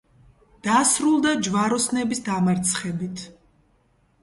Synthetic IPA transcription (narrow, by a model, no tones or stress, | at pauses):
d̪̥asɾulˠd̪ad͡ʒvaɾɔsnɛbisd̪amaɾt̪sʰχɛbit̪ʰ